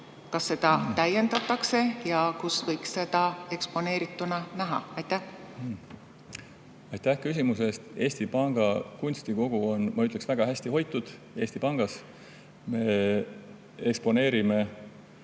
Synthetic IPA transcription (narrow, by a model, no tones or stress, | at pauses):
kɑsːe̞d̪̥ɑt̪æje̞nd̪̥ɑt̪ːˑɑkse̞jɑkusvɤjksse̞d̪̥ɑe̞kspo̞ne̞ːɾit̪ːˑunɑnæɦɑ̰ɑjt̪æh | ɑjt̪ːæhkysʲimuse̞st̪e̞ːsʲt̪ipɑŋɡ̥ɑkunʲsʲt̪iko̞ɡ̥uo̞nmɑyt̪leksvæɡ̥ɑɦæsʲt̪iɦo̞jt̪ːˑud̪̥ | e̞ːsʲt̪ipɑŋɡ̥ɑs | me̞ | ekspo̞ne̞ːɾime̞